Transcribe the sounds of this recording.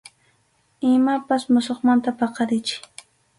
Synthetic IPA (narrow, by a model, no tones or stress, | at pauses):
ɪmapasmʊsoχmant̪apɑqɑɾɪt͡ʃɪ̥